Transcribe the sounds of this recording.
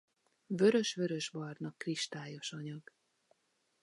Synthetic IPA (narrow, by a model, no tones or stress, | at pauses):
vø̞ɾø̞ʃʋø̞ɾø̞ʒbɒrnɒkːriʃt̪aːjo̞ʃɒɲɒɡ̥